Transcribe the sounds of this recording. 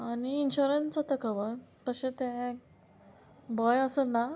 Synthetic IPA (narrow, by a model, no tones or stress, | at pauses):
aniːnɕuɾənt͡sət̪əkəʋət̪əɕẽt̪ɛ̃ | bɔjəsəna